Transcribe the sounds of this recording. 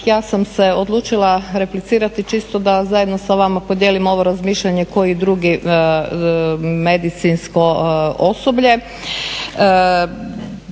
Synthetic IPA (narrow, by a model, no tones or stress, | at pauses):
jaːsamse̞o̞d̪lˠuːt͡ʃilˠaɾe̞plit̪siːɾat̪it͡ʃist̪od̪azajed̪no̞saʋamapo̞d̪jeːlimo̞ʋo̞ɾazmiːʃʎaɲe̞ko̞jid̪ɾuːɡi | me̞d̪it̪sinsko̞oso̞bʎe̞